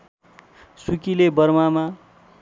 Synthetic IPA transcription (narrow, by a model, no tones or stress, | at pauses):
sukilebʌrmama